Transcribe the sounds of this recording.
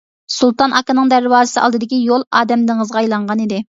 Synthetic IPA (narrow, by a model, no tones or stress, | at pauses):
sulˠt̪ɑnʔɑkɨnɨŋd̪æɾwɑːzɨsɨʔɑ̰lˠd̪ɨd̪ɪkʲijolˠɑːd̪ɛmd̪ŋəzʁɑjlˠɑɴʁɑnid̪ɪ